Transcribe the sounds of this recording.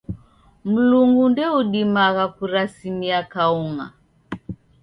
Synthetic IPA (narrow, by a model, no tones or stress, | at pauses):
m̩luŋɡundɛuɗimaɣakuɾasimiakauŋa̰